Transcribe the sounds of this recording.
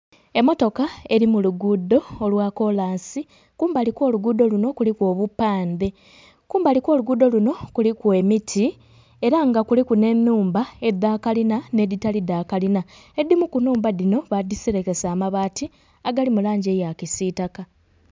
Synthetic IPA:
e̞mo̞to̞kae̞ɾimuluɡudo̞ːlwaːko̞laːnsi | kuːmbalikwo̞ːluɡudo̞luno̞kulikwo̞ːβupːaːnde̞ | kuːmbalikwo̞ːluɡudo̞luno̞kulikwe̞mitʰi | e̞ɾaŋɡakulikune̞nːuːmbae̞d̪ːaːkalinane̞ditalid̪aːkalinae̞d̪ːimukunuːmbadino̞βadisiɾe̞ke̞saːmaβaːti | aɡalimulaːɲɟe̞jakisitaka

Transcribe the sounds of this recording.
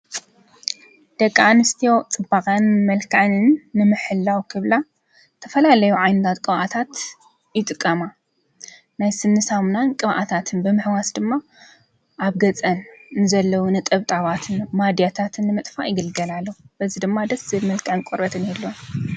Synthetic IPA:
d̪̥ɐkʼːanɨst̪ʰijo̞t͡sʼɨbːakʼɐnmɐlkʰanɨnːɨmɨħɨlːawkʰɨβla | t̪ʰɐfɐlalɐjuʕajnɨt̪ʰat̪kʼɨβʔat̪ʰat̪ | jɪt̪ʼɨkʼːɐma | najsɨnːɨsamnankʼɨβʔa̰t̪ʰat̪ʰɨnbɨmɨħwasd̪ɨmːa | ʔaβɡɐt͡sʼɐnnzɐlːɐwunɨt̪ʼɐβt̪ʼaβat̪ʰɨnmad̪jat̪ʰat̪ʰɨnːɨmɨt̪ʼfaʔjɪɡɐlɡɐlalːɐub̥ɐzid̪ɨmːad̪ɐsɨmɐlkʰaʕɨnkʼoɾbɐt̪ʰɨnelːon

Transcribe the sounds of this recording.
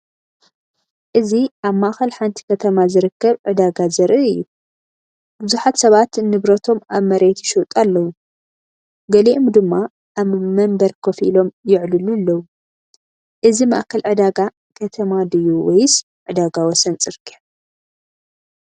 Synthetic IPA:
ʔɨziʔaβmaʔxɐlħant̪ʰi̥kʰɐt̪ʰɐmazɨɾɨkːɐβʕɨd̪aɡazɐɾʔɨʔɨjːu | b̥ɨzuħat̪sɐβat̪nɨβɾɐt̪ʰo̞maβmɐɾet̪ʰuʃut̪ʼalːɐwu | ɡɐliʔomd̪ɨmːa | ʔaβmɐmbɐɾkʰofilo̞mjɪʕlɨlulːɐwu | ʔɨzima̰ʔkʰɐlʕɨd̪aɡa | kʰɐt̪ʰɐmad̪ɨjuwɐjs | ʕɨd̪aɡawɔsɐnt͡sʼɨɾkʰʼi

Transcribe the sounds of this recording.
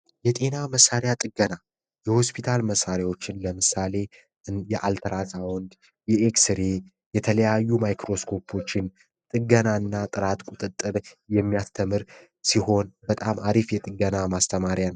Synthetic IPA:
jɛt̪ʼe̞naməsːaɾjat̪ʼɨɡːəna | jɛho̞spʰit̪ʰalməsːaɾjawo̞t͡ʃːɪnləmɨsale̞ | jɛʔalt̪ʰəɾasawɔnd̪ | jɛeksɨɾe | jɛt̪ʰələjajːumajkɾo̞skʰo̞pʰo̞t͡ʃːɪn | t̪ʼɨɡənaɨnːat̪ʼɨɾat̪kʷʼut̪ʼɨt̪ʼːɨɾ | jɛmːijast̪ʰəmɨɾ | siho̞nbət̪ʼamaɾifjɛt̪ʼɨɡənamast̪ʰəmaɾjanəw

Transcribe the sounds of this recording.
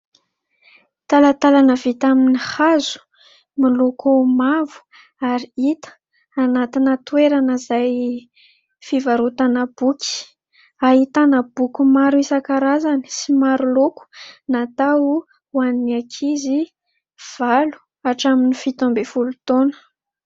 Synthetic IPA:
t̪alat̪alanəvit̪aminihazu̥ | milokumavu̥ | aɾiit̪ə̥ | anat̪inət̪weɾanəzaj | fivaɾut̪anab̥uki̥ | ait̪anab̥ukumaɾuisakaɾazani̥simaɾuloku̥nat̪au | waninakʰizi | v̥alu̥ | aʈ͡ʂaminifit̪ombefulut̪onə̥

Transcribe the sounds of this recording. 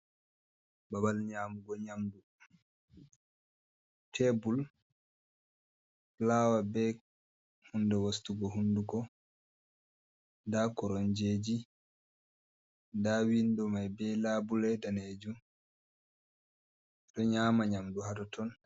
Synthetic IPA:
babalɲaːmuɡɔɲamdu | tʰebul | laːwabɛ | hundɛwastuɡɔɦunduɡɔ | dakɔɾɔnd͡ʒeːd͡ʒi | dawindɔmajbɛlaːbulɛdaned͡ʒum | dɔɲaːmaɲamduhadɔtʰɔn

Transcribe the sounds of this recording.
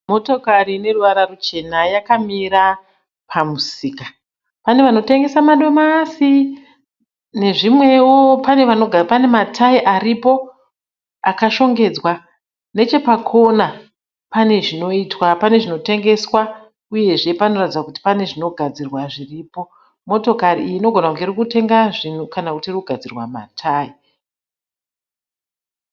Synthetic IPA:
mo̞to̞karine̞ruʋaɾarut͡ʃe̞najakamiɾa | pʰamusiːka | pane̞ʋano̞te̞ŋɡe̞samaɗo̞masi | ne̞ʐimwe̞wo̞pane̞ʋano̞ɡʱapane̞matʰaiʔaripo̞ | akaʃo̞ŋɡe̞d͡zwa | ne̞t͡ʃe̞pakʰo̞na | pane̞ʐino̞itwapane̞ʐino̞te̞ŋɡe̞swa | uje̞ʐe̞pano̞ratid͡zakuti̥pane̞ʐino̞ɡʱad͡zirwaʐiriːpo̞ | mo̞to̞kariːiːno̞ɡʱo̞nauŋɡerikute̞ŋɡaʐin̤ukanakutirkuɡʱad͡zirwama̰tʰaːi

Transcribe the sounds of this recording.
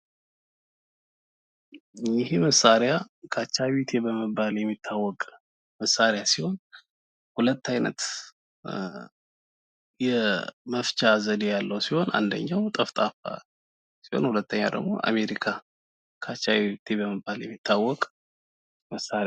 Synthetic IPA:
ɪheməsaɾja | kʰat͡ʃːajit̪ʰebəməbːaljɛmːit̪ʰːawːɔkʼ | məsaɾjasiho̞n | hulət̪ːajnə̰t̪ | jɛməft͡ʃʼazəd̪ejalːəwsiho̞na̰nd̪ə̰ɲːawt̪ʼəft̪ʼafa̰ | siho̞̰nhulət̪ːəɲːa̰d̪ə̰ɡmo̞̰ʔa̰me̞ɾikʰa | kʰat͡ʃːat̪ʰebəməbːaljɛ̰mːit̪ʰːawːɔkʼ | məsaɾ

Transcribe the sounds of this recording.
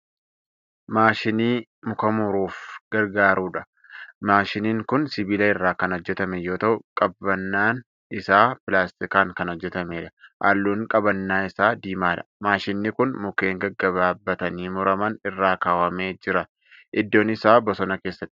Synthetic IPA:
maːʃɪniː | mʊkɐmʊɾuːfɡ̥ɐɾɡaːɾuːᶑɐ | maːʃɪniːŋkʊnsɪbilɐɪrːaːkɐnɔd͡ʒːɛt̪ɐmɛjo̞ːt̪ɐʔʊkʼɐbɐnːaːn | ɪsaːpɪlaːst̪ɪkaːŋkɐnɔd͡ʒːɛt̪ɐmeːᶑɐ̥ʔa̰lːuːŋkʼɐbɐnːaːɪsaːd̪iːmaːᶑɐ̥maːʃɪnːɪkʊnmʊke̞ːŋɡɐɡːɐβaːbːɐt̪ɐniːmʊɾɐmɐnɪrːaːkaːwɐmeːd͡ʒɪɾɐ | ʔɪd̪ːo̞ːnɪsaːbɔsɔnɐke̞ːsːɐt̪ːɪ̥

